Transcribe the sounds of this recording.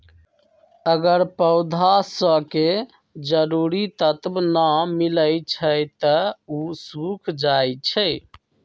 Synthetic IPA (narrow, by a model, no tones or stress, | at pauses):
əɡəɾpəʊd̪ʱasə̃ke | d͡ʒəɾuɾit̪ət̪bnamiləjt͡ʃʰəjt̪əusukʰd͡ʒajt͡ʃʰəj